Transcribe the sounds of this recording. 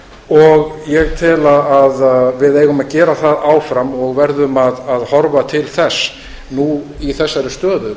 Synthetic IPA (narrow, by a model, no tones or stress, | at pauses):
ɔɣjɛɣt̪ʰɪlaaðvɪðeːjɣʏmaðcɛːɾaθaðaːwfɾamɔɣvɛɾðʏmaðaðhɔɾvat̪ʰɪlθɛsː | nuiθɛsːaɾʏst̪œːðʏ